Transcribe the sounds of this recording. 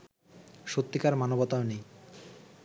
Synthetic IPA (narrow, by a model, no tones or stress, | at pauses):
ʃot̪ːikaɾmanobɔt̪aonej